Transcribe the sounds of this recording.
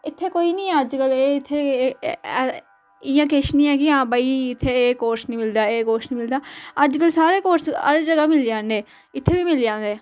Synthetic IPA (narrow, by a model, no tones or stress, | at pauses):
ɪt̪ʰːeːkoːiːnĩːəd͡ʒkəleːɪt̪ʰːeː | ɪjãːkeːʃnĩːɛːkɪãːbaːiːɪt̪ʰːeːeːkoːɾsnĩːmɪld̪aːeːkoːɾsnĩːmɪld̪aːəd͡ʒkəlsaːɾeːkoːɾsə̰ɾd͡ʒəɡaːmɪld͡ʒãːnd̪eː | ɪt̪ʰːeːʋiːmɪld͡ʒãːnd̪eː